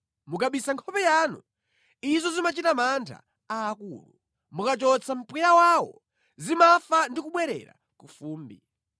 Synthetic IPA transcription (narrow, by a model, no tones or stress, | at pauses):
mukaɓisaŋkʰɔpɛjaːnṵ | izɔzimat͡ʃitamantʰa̰ | aːkuːlṵ | mukat͡ʃɔt͡sʰam̩pujawaːwɔ̰ | zimafandikuɓwɛɾɛ̰ɾa̰ | kufuːmbi